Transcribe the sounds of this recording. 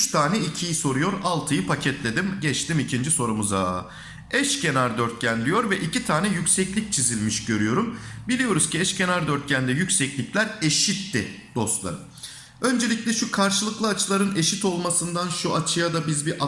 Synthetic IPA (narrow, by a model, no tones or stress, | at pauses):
t͡ʃt̪ʰaːnɛicʰijiso̞ɾujo̞ɾalˠt̪ʰɯjɯpʰacʰɛt̪lʲe̞d̪imɟɛt͡ʃt̪imicʰind͡ʒiso̞ɾumuza | ɛʃcʰe̞naɾd̪ø̞ɾt̪̚cʰænlʲijo̞ɾvɛʔicit̪ʰaːnɛjycsɛclʲic̚t͡ʃʰizilʲmiʃɟø̞ɾyjo̞ɾumbilʲijo̞ɾuz̥ciɛʃcʰe̞naɾd̪øɾt̪̚cʰænd̪ɛjycsɛclʲiclʲæɾe̞ʃit̪ːɪ | d̪̥o̞st̪lˠa̰ɾɯ | ø̞nd͡ʒe̞lʲiclʲɛʃukʰaɾʃɯlˠɯklˠɯat͡ʃʰlˠaɾɯne̞ʃit̪o̞lˠmasɯnd̪anʃuat͡ʃʰɯjad̪abizbiʔa